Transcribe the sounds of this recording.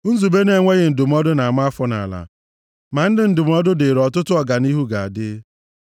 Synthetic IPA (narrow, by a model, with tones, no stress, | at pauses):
n̩˦zu˨be˦ne˨ŋʷe˦ɣɪ˨n̩˨dʊ˨m̩˦ɔ˦dʊ˦na˨ma˦a˦fɔ˦na̰˨la̰˨ | ma˨n̩˦dɪ˨n̩˦dʊ˨m̩˦ɔ˦dʊ˦de˨ɾɔ˨tʊ˦tʊ˦ɔ˨ɡa˨ni˦ɦu˦ɡa˨a˨dɪ˦